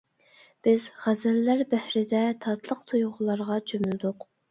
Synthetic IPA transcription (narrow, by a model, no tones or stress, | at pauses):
b̥ɪzʁæzælːæɾbæhɾɪd̪ɛt̪ʰɑt̪lˠəqt̪ʰujʁʊlˠɑɾʁɑt͡ʃʰømyld̪ʊq